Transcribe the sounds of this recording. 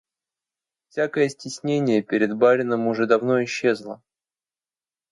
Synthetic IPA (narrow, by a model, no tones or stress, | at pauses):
fsʲakəjəsʲtʲɪsʲnʲenʲɪjəpʲɪɾʲɪd̪baɾʲɪnəmʊʐɛd̪ɐvnoɪɕːe̞zlˠə̰